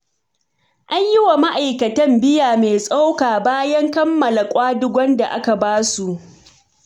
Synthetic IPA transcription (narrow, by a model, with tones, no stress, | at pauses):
ʔa˦ɲjɪ˦wa˨ma˦ʔa˨jkɐ˨tɐ˦mbɪ˦jaː˨me˨sʼa˦wkaː˨baː˦jɐ˦ŋkɐ˦mːɐ˨la˨kʷʼaː˦dʊ˦ɡʷɔ˦nda˨ʔa˦ka˨baː˦su˨ʔ